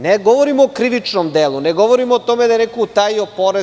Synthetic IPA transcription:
neɡoʋoɾimoːkɾiʋit͡ʂnomd̪elˠuneɡoʋoɾimoot̪omed̪ajenekout̪ajiopoɾe

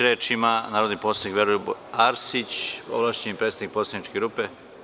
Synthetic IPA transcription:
ɾet͡ʃimanaːɾod̪niposanikʋeɾujuaɾsit͡ɕo̰ʋlˠaːʃt͡ɕemipɾet̪sed̪nik̚pot̪sanit͡ʃkeɡɾupe

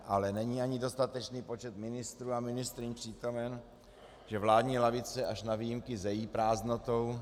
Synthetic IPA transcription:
ʔalɛnɛɲiaɲɪdo̞st̪at̪ɛt͡ʃniːpo̞t͡ʃɛt̪mɪnɪst̪ɾuːamɪnɪst̪ɾɪnpr̝̥iːt̪o̞mɛn | ʒ̥ɛvlaːdɲiːlavɪt͡sɛʔaʃnavijɪmkɪzɛjiːpɾaːznot̪o̞w

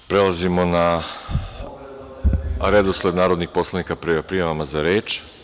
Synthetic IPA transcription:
pɾe̞lazimona | ɾed̪osled̪naːɾod̪nixpo̞slˠanikapɾipɾijaʋamazaɾe̞ːt͡ʃ

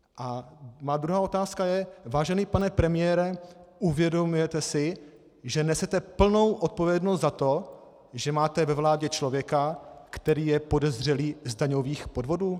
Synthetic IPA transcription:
ʔamaːd̪ɾuɦaːo̞t̪aːskajɛvaːʒɛniːpanɛpɾɛmɪjɛɾɛuvjɛdo̞mujɛt̪ɛsɪ | ʒɛnɛsɛt̪ɛpl̩no̞wʔot̪̚po̞vjɛdnost̪zat̪o̞ | ʒɛmaːt̪ɛvɛvlaːɟɛt͡ʃlovjɛkakt̪ɛɾiːjɛpo̞dɛzr̝ɛliːzdaɲo̞viːxpo̞dvo̞duː

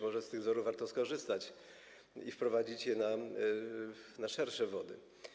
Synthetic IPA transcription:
mɔʐɛst̪ɘɣzɔɾuvvaɾt̪ɔskɔʐɘst̪at͡ɕ | ḭfpɾɔvad͡ʑit͡ɕjɛna | naʂɛɾʂɛvɔd̪ɘ̰

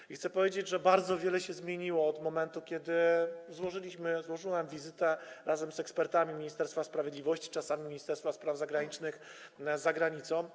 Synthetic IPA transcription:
ixt̪sɛpɔvʲjed͡ʑed͡ʑʐɛbaɾd̪zɔvʲjɛlɛɕɛzmʲjeɲiwɔːd̪mɔmɛnt̪ukʲɛd̪ɘzwɔʐɘlʲiɕmɘzwɔʐɘwamvʲizɘt̪ɛɾazɛmzɛkspɛɾt̪amʲimʲiɲist̪ɛɾst̪faspɾavʲjɛd̪lʲivɔɕt͡ɕi̥t͡ʂasamʲimʲiɲist̪ɛɾst̪faspɾavzaɡɾaɲit͡ʂnɘxzaɡɾaɲit̪sɔ̃w̃

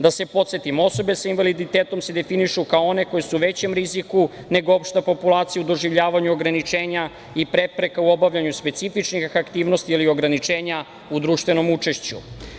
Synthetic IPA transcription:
d̪ase̞po̞t̪set̪imo̞so̞be̞sainʋalid̪it̪eːt̪o̞mse̞d̪e̞finiʃukaoo̞ne̞ko̞jesuʋe̞t͡ɕe̞mɾiziku | ne̞ɡoopʃt̪apo̞pulaːt̪sijaud̪o̞ʒiʋʎaːʋaɲuo̞ɡɾanit͡ʃeːɲa | ipɾe̞pɾe̞kauo̞baʋʎaɲuspe̞t̪sifit͡ʃnixxakt̪iːʋno̞st̪iilio̞ɡɾanit͡ʂeːɲa | ud̪ɾuːʃt̪vʋe̞no̞mut͡ʂe̞ʃt͡ɕṵ

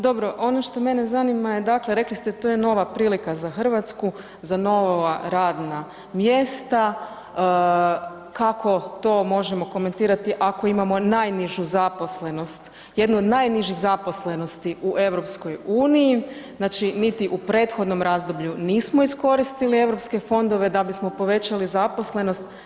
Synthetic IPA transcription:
d̪o̞bɾo̞ʔo̞noʃt̪o̞me̞nezanimaje̞d̪akleɾe̞klist̪et̪oːjeno̞ʋapɾiːlikazaxr̩ʋat̪sku | zano̞ʋaɾaːd̪na | mjest̪a | kakʰo̞t̪o̞mo̞ʒemo̞ko̞me̞nt̪iːɾat̪iʔako̞imamo̞najniʒuzapo̞sle̞no̞st̪ | je̞d̪nuod̪najniʒiɣzapo̞sle̞no̞st̪iʔuʔe̞ʋɾo̞psko̞juːnijiznaːt͡ʃinit̪iʔupɾe̞ːt̪xo̞d̪no̞mɾazd̪o̞bʎuniːsmo̞isko̞ɾist̪ilie̞ʋɾo̞pske̞fo̞nd̪o̞ʋe̞d̪abismo̞po̞ʋe̞t͡ɕalizapo̞sle̞no̞st̪

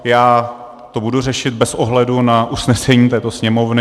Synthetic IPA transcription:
jaː | t̪o̞budur̝ɛʃɪt̪̚bɛsoɦlɛdunaʔusnɛsɛɲiːt̪ɛːt̪osɲɛmo̞vnɪ

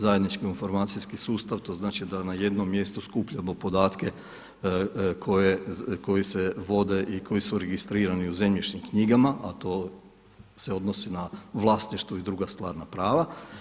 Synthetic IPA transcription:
zaje̞d̪nit͡ʃkiinfo̞ɾmaːt̪siskisuːst̪aʋt̪o̞znaːt͡ʃid̪anaje̞d̪no̞mːje̞st̪uskupʎamo̞po̞d̪aːt̪ke̞ | kʰo̞jeko̞jise̞ʋo̞d̪e̞ʔikʰo̞jisuɾeɡist̪ɾiːɾaniuze̞mʎit͡ʃɲimkɲiɡamaʔat̪o̞ː | se̞o̞d̪no̞sinaʋlˠasniʃt̪ʋoid̪ɾuɡast̪ʋaːɾnapɾaːʋa

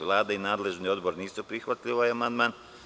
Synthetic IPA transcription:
ʋlˠaːd̪ainaːd̪le̞ʒnio̞d̪boɾniːsupɾixʋat̪ʎʲiʋajamand̪maːn

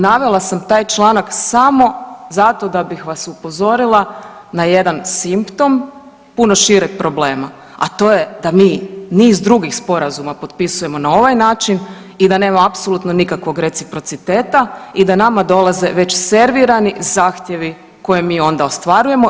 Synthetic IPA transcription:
naʋe̞lˠasamt̪aːjt͡ʃlˠanaksamo̞zat̪o̞d̪abixʋasupo̞zo̞ɾilˠa | naje̞d̪ansimpt̪o̞m | puno̞ʃiɾek̚pɾo̞ble̞ːma | at̪o̞ːje̞d̪amiːniːzd̪ɾuɡixspo̞ɾazumapo̞d̪̚pisuje̞mo̞nao̞ʋajnaːt͡ʃin | id̪ane̞ːmamapsolut̪no̞nikakʋo̞ɡɾe̞t̪sipɾo̞t̪sit̪e̞ːt̪aid̪anamad̪o̞lˠaze̞ʋe̞t͡ɕse̞ɾʋiɾanizaːxt̪je̞ʋi | ko̞jemiːo̞nd̪ao̞st̪ʋaɾuje̞mo̞

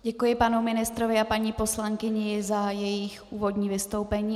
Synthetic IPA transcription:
ɟɛkujɪpanumɪnɪst̪ɾovɪapaɲiːpo̞slaŋkɪɲɪzajɛjɪxʔuːvo̞dɲiːvɪst̪o̞wpɛɲiː

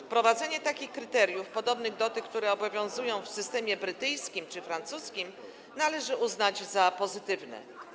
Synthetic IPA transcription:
pɾɔvad̪zɛɲɛt̪akʲixkɾɘt̪ɛɾjufpɔd̪ɔbnɘɣd̪ɔt̪ɛkt̪uɾɛɔbɔvʲjɔ̃w̃zujɔ̃w̃fsɘst̪ɛmʲjɛbɾɘt̪ɘjskʲimt͡ʂɘfɾant̪suskʲim | nalɛʐɘʔuznad͡ʑzapɔzɘt̪ɘvnɛ̰

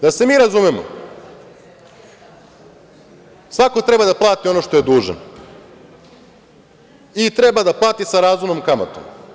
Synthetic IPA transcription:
d̪ase̞miːɾazumemo̰ | sʋako̞t̪ɾe̞bad̪aplˠaːt̪io̞noʃt̪o̞je̞d̪uːʒa̰n | it̪ɾe̞bad̪aplˠaːt̪isaɾaːzumno̞mkama̰t̪o̰m

